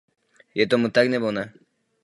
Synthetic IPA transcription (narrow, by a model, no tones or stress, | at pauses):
jɛt̪ɔmut̪aɡnɛbona